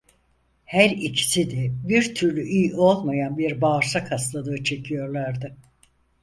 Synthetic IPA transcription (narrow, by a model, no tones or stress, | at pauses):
hæɾicʰi̥sid̪ɛbiɾt̪ʰyɾlʲyʔijo̞lˠmajanbiɾbaːɾsakhast̪lˠad̪ɯːt͡ʃʰe̞cʰijo̞ɾlˠaɾd̪ɯ